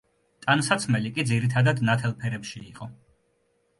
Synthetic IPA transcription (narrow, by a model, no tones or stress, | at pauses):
t̪ʼansat̪sʰmɛlikʼid̪ziɾit̪ʰad̪ad̪nat̪ʰɛlˠpʰɛɾɛpʃiːqʼɔ